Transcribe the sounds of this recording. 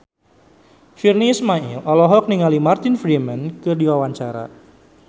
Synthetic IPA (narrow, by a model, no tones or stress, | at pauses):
firniːsmaḭlʔɔlɔɦɔk̚niŋalimart̪ɪnfɾimənkɨrdiwawaɲt͡ʃaɾa̰